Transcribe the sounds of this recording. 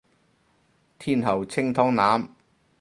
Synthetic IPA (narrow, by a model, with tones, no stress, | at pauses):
t̪ʰiː˥nhɐ˨˩wt͡sʰɪ˥ŋt̪ʰɔː˨˥ŋnaː˨˥m